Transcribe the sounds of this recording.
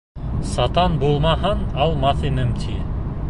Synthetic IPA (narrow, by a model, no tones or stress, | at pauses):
sɑt̪ɑnbulˠmɑɦɤnɑlˠmɑθinɘmt̪ʲʰi